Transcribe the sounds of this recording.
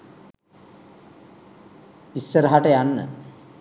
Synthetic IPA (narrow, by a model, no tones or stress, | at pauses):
isːəɾəɦaʈəjanːə̰